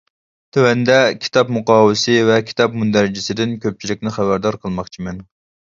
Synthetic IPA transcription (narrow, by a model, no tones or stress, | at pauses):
t̪ʰøwɛnd̪ɛkʲʰi̥t̪ʰɑpmuqʰɑːwɪsɪvɛkʲʰi̥t̪ɑp̚mund̪æɾɪd͡ʒɪsɪd̪ɪnkʲøp̚t͡ʃʰilɪkʲnɪχæbæɾd̪ɑɾqʰəlˠmɑχt͡ʃʰimɛn